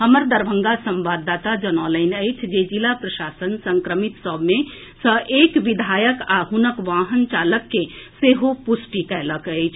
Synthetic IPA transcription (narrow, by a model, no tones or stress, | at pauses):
ɦəməɾd̪əɾbʱə̃ŋɡasəmʋad̪ːat̪ad͡ʒənɔləɪnəjt͡ʃʰd͡ʒed͡ʒilapɾəʃasənsəŋkɾəmit̪səbʱmẽ | səʔekʋid̪ʱajəkaɦunəkʋaɦənt͡ʃaləkːeseɦopusʈikɛləkət͡ʃʰ